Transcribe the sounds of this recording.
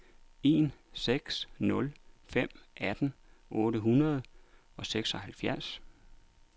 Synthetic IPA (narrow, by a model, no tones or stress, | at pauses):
e̝̰ːnseɡ̥snɔ̽lfem̰ʔæd̥n̩ | ʔɔːɾəɦunɐð̞̩ˠɒ̽seɡ̥sɒ̽hælfjæɐs